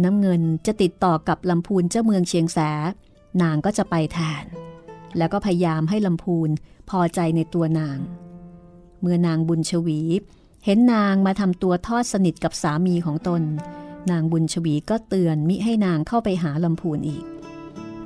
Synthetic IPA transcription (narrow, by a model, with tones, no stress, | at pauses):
naː˦˥mŋɤ˧nt͡ɕa˨˩t̪i˨˩t̪ːɔː˨˩ka˨˩p̚la˧mpʰuː˧nt͡ɕaː˥˩wmɯ˧əŋt͡ɕʰi˧əŋsɛː˩˦ | naː˧ŋkɔː˥˩t͡ɕa˨˩ʔpa˧jt̪ʰɛː˧nlɛː˦˥wkɔː˥˩pʰa˧ja˧jaː˧mɦa˥˩jla˧mpʰuː˧npʰɔː˧t͡ɕa˧jna˧jt̪u˧ɐnaː˧ŋ | mɯ˧ənaː˧ŋbu˧nt͡ɕʰa˧wiː˩˦ | he˩˦nːaː˧ŋmaː˧t̪ʰa˧mt̪u˧ɐt̪ʰɔː˥˩t̪̚sa˧ni˨˩t̪̚ka˨˩p̚saː˩˦miː˧kʰɔː˩˦ŋt̪o˧nːaː˧ŋbu˧nt͡ɕʰa˧wiː˩˦kɔː˥˩t̪ɯ˧ənmi˦˥ʔ̚ɦa˥˩jnaː˧ŋkʰa˥˩wpa˧jɦaː˩˦la˧mpʰuː˧nʔḭː˨˩k̚